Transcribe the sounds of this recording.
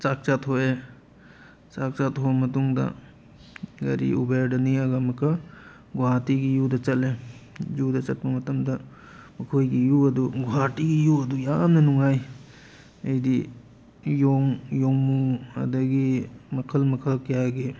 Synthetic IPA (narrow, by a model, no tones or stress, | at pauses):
t͡ʃak̚t͡ʃatʰoe | t͡ʃak̚t͡ʃatʰobɐmɐtuŋdɐ̰ | ɡɐ̰ɾḭʔubeɾdɐniɐɡamɐkɐ | ɡuɦatiɡijudɐt͡ʃɐlejudɐt͡ʃɐt̚pɐmɐtɐmdɐ | mɐkʰojɡijuɐduɡuɦatiɡijuɐdujamnɐnuŋaj | ɐjdi | joŋjoŋmuɐ̰dɐɡimɐkʰɐlmɐkʰɐlkʰijaɡi